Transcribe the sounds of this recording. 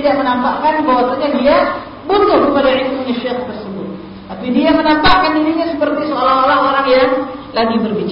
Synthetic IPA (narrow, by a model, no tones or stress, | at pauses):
idaʔmənampaʔkanbawasaɲadia | but̪ʊhbumalaɪkmuɲaʃek̚t̪ərsəbʊ̰t̪̚ | t̪apidiamənampakandiɾiɲasəpərt̪isoalaɦolaɦoɾaŋjaŋlaɡibərbit͡ʃ